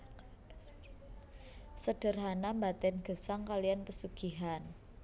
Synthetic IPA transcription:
səɖ̥ə̤rɦanambat̪ɛnɡ̥ə̤saŋkalijanpəsuɡ̥iɦan

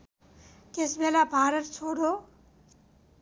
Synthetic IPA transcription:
k̪esbʱelabʱaɾətt͡ʃʰoɽo

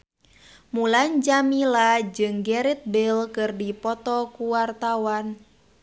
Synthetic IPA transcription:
muland͡ʒamilad͡ʒɨŋɡɛɾit̪̚bɪlkɨrdipɔt̪ɔkuwart̪awan

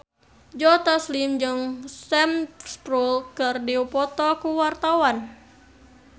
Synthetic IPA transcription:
d͡ʒɔt̪aslimd͡ʒɨŋsɛmst̪ɾulkɨrdiupɔt̪ɔkuwart̪awan

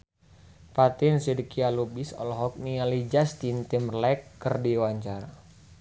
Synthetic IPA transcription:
pat̪insidikialubisɔ̰lɔɦɔk̚nialid͡ʒast̪int̪imrlɛkːərdiwaɲt͡ʃaɾa

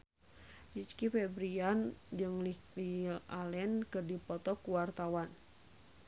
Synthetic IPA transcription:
d͡ʒit͡ʃkifɛbɾiand͡ʒɨŋl | liʔalɛnkɨrdipɔt̪ɔkuwart̪awan

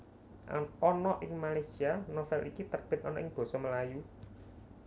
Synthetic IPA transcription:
aɔnɔʔɪŋmalajsianɔfɛlikit̪ərb̥ɪ̤t̪̚ɔnɔʔɪŋb̥ɔ̤sɔməlaju

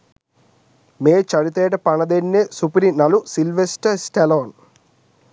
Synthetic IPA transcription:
meːt͡ʃɐɽut̪ɛːʈɐpɐɳɐd̪enːesupɾinɐlusilʋesʈɐsʈeloːn

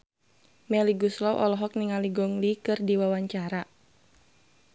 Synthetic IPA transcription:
mɛliɡuslɔwʔɔlɔɦɔk̚niŋaliɡɔŋlikɨrdiwawaɲt͡ʃaɾa

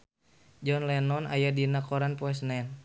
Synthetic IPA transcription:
d͡ʒɔnlɛnɔna̰jadinakɔɾanpɔɛs̬nɛn

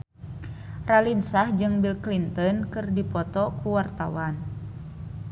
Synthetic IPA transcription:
ralinsahd͡ʒɨŋbilklint̪ɔnkɨrdipɔt̪ɔkuwart̪awan

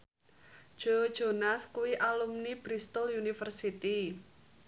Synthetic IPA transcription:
ʒ̥od̥ʒ̥o̤naskuwiʔalumnib̥ɾist̪ʊlunifərsit̪i

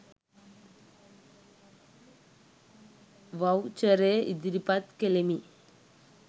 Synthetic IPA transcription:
ʋɐwt͡ʃɐɾeid̪iɾipat̪kelemi

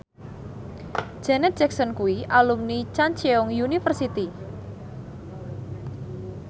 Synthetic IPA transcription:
d̥ʒ̥ɛnɛt̪̚ʒ̥ɛksɔnkuwiʔalumnit͡ʃant͡ʃeɔŋjunifərsit̪i

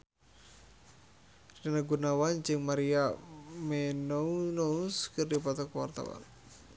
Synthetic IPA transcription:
rinanaɡunawand͡ʒɨŋmaɾiamenounouskɨrdipat̪ɔkwa̰rt̪a̰wa̰n

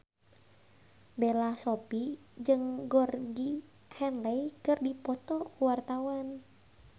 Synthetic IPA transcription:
belahsopi | d͡ʒɨŋɡɔrɡi | hɛnlɛjkɨrdipɔt̪ɔkuwart̪awan

